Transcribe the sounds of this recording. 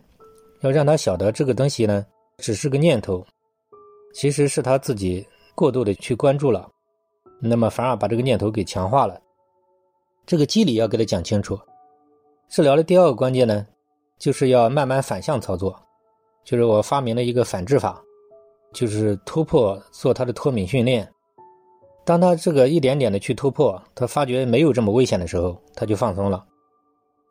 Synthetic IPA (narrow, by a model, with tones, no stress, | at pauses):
jʊɻɑ˥˩ŋt̪ʰa˥ɕjɑ˨˩ʊd̪ə˧˦˥ʈ͡ʂɤ˥˩ɡə˩t̪̬ʊ˥ŋɕi˨˩nə˩ | ʈ͡ʂɻ̩˨˩ʂɻ̩˥˩ɡə˧ɲjɛ˥˩nt̪ʰo˧˥ʊ | t͡ɕʰi˧˥ʂɻ̩˧˥ʂɻ̩˥˩t̪ʰa˥t͡sɹ̩˥˩t͡ɕi˨˩ | kwɔ˥˧t̪u˥˩d̪ə˩t͡ɕʰy˥˩kwa˥nʈ͡ʂu˥˩lə˩ | na˥˩mə˩fa˧˥nə˞˧˥pa˨˩ʈ͡ʂɤ˥˩ɡə˧ɲjɛ˥˩nt̪ʰo˧˥ʊke˨˩ɪt͡ɕʰjɑ˧˥ŋxwa˥˩lə˩ | ʈ͡ʂɤ˥˩ɡə˩t͡ɕi˥li˨˩jɑ˥˩ke˧˥ɪt̪ʰa˥t͡ɕjɑ˨˩ŋt͡ɕʰi˥ŋʈ͡ʂʰu˨˩˦ | ʈ͡ʂ̩˥˩ljɑ˧˥ʊlə˧t̪i˥˧a˥˩ɡə˩kwa˥nt͡ɕjɛ˥˩nnə˩ | t͡ɕjo˥˧ʊʂɻ̩˥˧jɑ˥˧ʊma˥˧nma˥˩nfa˨˩nɕjɑ˥˩˧ŋt͡sʰɑ˥ʊt͡swɔ˥˩ | t͡ɕjo˥˧ʊʂɻ̩˥˩wɔ˨˩fa˥mi˧˥ŋlə˧i˧˥ɡə˧fa˨˩nʈ͡ʂɻ̩˥˩fa̰˨˩˦ | t͡ɕjo˥˧ʊʂɻ̩˥˩t̪ʰu˥pʰwɔ˥˧t͡swɔ˥˩t̪ʰa˥d̪ə˨t̪ʰwɔ˥mi˧˥ŋɕy˥˧nljɛ˥˩n | t̪ɑ˥ŋt̪ʰa˥ʈ͡ʂɤ˥˩ɡə˩i˥˩t̪jɛ˧˥nt̪jɛ˨˩nd̪ə˦t͡ɕʰy˥˩t̪ʰu˥pʰwɔ˥˩t̪ʰa˥fa˥t͡ɕɥɛ˧˥me˧˥ɪjo˨˩ʊʈ͡ʂɤ˥˩mə˩we˥ɪɕjɛ˨˩nd̪ə˦ʂɻ̩˧˥xo˥˧ʊt̪ʰa˥t͡ɕjo˥˧ʊfɑ˥˧ŋsʊ˥ŋlə˨